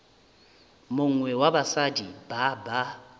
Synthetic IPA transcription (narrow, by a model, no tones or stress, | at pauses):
mʊŋ̩ŋwɛwabasadibaba